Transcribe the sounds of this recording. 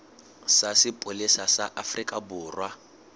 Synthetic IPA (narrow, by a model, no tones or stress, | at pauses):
sasɪpʼʊlisasaʔafrikʼabʊːrwa